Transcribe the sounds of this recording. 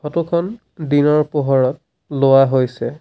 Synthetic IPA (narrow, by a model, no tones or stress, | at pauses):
ɔtukʰɔn | dinɔɹpoɦɔɹɔt̚ | lowaɦojsɛ